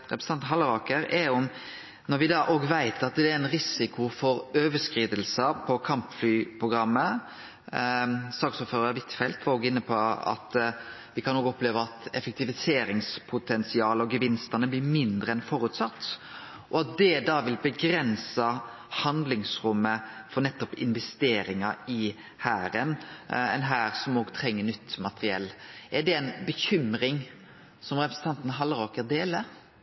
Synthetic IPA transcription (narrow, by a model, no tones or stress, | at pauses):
ɾɛpɾsə̥ɑnt̪ɦɑlːəɾɑːkəɾɛɔm | nɔɾʋɪd̪ɑʔoːɡʋæɪt̪ʰɑt̪d̪ɛæɾæɪnɾɪsɪkʰʊfɔɾøːʋəʂkɾiːd̪əlsəpʰɔkʰɑmpflyːpʰɾʊɡɾɑmːə | sɑːksɔːpføːɾəɾəʋɪt̪ːfɛlt̪ʋɑɾoːɡɪnːəpʰɔɑ̰t̪ | ʋɪkʰɑnːoːɡɔpleːʋəɑt̪ɛfɛk̚t̪ɪʋɪseːɾɪŋspʰʊt̪ʰɛnsɪɑːləɔɡəʋɪnst̪ənəblɪɾmɪnd̪ɾəɛnfɔɾʉt̪sɑt̪ː | ʔɔɑt̪̚d̪ɛd̪ɑːʋɪlbəɡɾɛnsɑ | hɑnd̪lɪŋsɾʊmːəfɔɾnɛt̪ːɔpɪ̰nʋɛst̪eːɾɪŋɑɪ | hæːɾənɛ̰ɪnɦæːɾsɔmoːɡt̪ʰɾɛŋːənʏt̪ːmɑt̪əɾɪɛ̰lːɛɖɛɛɪnbəçʏmɾɪŋ | sɔmɾɛpɾəsn̩t̪ʰɑnt̪n̩ɦɑlɾoːkəɾd̪eːlə